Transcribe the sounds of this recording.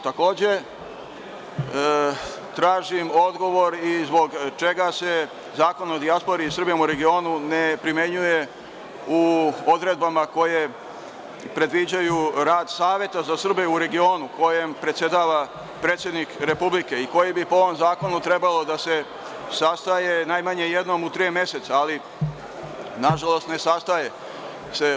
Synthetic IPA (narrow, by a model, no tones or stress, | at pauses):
t̪ako̞ːd͡ʑe̞ | t̪ɾaːʒimo̞d̪ɡo̞ʋo̞ɾizbo̞ɡt͡ʃe̞ɡase̞ | zaːko̞no̞d̪iaspo̞ɾiːsr̩bijmuɾe̞ɡio̞ːnunepɾimje̞ɲuje̞ | uo̞d̪ɾe̞d̪̚bamako̞je | pɾe̞d̪ʋid͡ʑajuɾaːd̪saːʋje̞t̪azasr̩beuɾe̞ɡio̞ːnuko̞jempɾet̪sje̞d̪aːʋa | pɾet̪sjed̪nikɾe̞publikeiko̞jebipoo̞ʋomzaːko̞nut̪ɾe̞balo̞d̪ase̞ | sast̪ajenaːjmaɲe̞je̞d̪no̞mut̪ɾijemje̞set̪saali | naʒalˠo̞st̪ne̞sast̪aje̞ | se